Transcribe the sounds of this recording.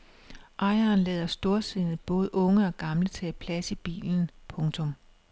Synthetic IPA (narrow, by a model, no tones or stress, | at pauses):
ʔɑ̈ɪɐːnlɛːðˠɐsd̥o̝ɐse̝nð̩ˠb̥ɔ̽ːð̞̩ˠʔɔ̽ŋəɒ̽ɡ̥ɑ̈mlət͡sʰɛpʰlæsib̥ḭːln̩pʰɔ̽ŋt͡sʰɔ̽m